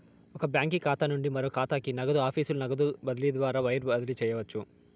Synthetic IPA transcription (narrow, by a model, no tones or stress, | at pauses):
ɔkɐbjaːŋkikaːt̪aːnuɳɖimɐɾoːkaːt̪aːkinɐɡɐd̪uaːpʰiːsulunɐɡɐd̪ubɐd̪ɐliɐd̪ʋaːɾaːʋɐjɐɾbɐd̪ɐlit͡ʃɛːjɐʋɐt͡ʃːu